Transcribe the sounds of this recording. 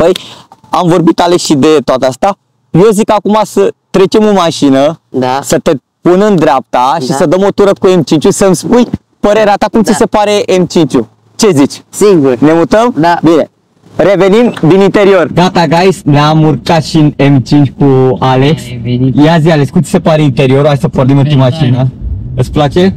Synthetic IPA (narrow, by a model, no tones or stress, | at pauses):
pəjamvo̞rbit̪aleksʃid̪e̞t̪oat̪east̪a | je̞zikakumasət̪ɾe̞t͡ʃe̞mɨnmaʃinəsət̪e̞ | punɨnd̪ɾeap̚t̪aʃissəd̪əmo̞t̪uɾəkue̞mt͡ʃint͡ʃʲusəmspuj | pəɾe̞ɾeat̪akumt̪sise̞paɾe̞ʔemt͡ʃint͡ʃu | t͡ʃe̞zit͡ʃʲsiɡune̞mut̪əmbine̞ | re̞ve̞nimd̪inint̪e̞ɾio̞rɡat̪aɡajsneamurkat̪ʃinemt͡ʃint͡ʃʲkualeksjazialeskumt̪si̥sepaɾeint̪e̞ɾio̞ɾuajsəpornimɨnt̪imaʃinəɨt̪splat͡ʃe̞